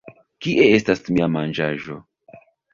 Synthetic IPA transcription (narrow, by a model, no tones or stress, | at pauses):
kiʔe̞e̞stasmiamand͡ʒaʒo̞̰